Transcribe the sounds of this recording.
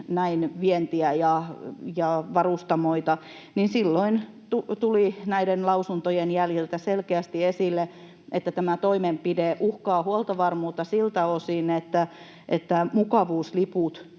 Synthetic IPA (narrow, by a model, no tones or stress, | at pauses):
næinʋient̪iæjɑjɑʋɑrust̪ɑmoit̪ɑ | ninsilːoin | t̪ut̪ulinæidenlɑusunt̪ojenjæljilt̪æselkeæst̪iesilːe | ʔet̪ːæt̪æmæt̪oimempideʔuhkɑːhuolt̪ɑʋɑrmuːt̪ːɑsilt̪æosinet̪ːæ | ʔḛt̪ːæmukɑʋuːsliput̪